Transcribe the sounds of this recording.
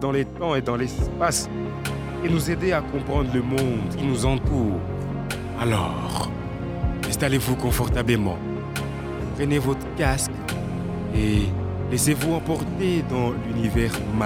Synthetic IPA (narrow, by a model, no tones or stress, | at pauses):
d̪ɑ̃let̪ɑ̃ed̪ɑ̃lɛspas | enuzed̪eakɔ̃pχɑ̃d̪ʁləmɔ̃d̪kʲinuzɑ̃t̪uːʁ | alɔ̰ | ʁ | ɛ̃st̪alevukɔ̃fɔʁt̪abləmɑ̰̃ | pχɛnevɔt̪χkask | e | lɛsevuɑ̃pɔʁt̪ed̪ɑ̃lynivɛʁma